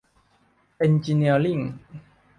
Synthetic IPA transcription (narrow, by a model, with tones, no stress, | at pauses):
ʔɛ˧nt͡ɕi˧ni˧˩əli˥˩˨ŋ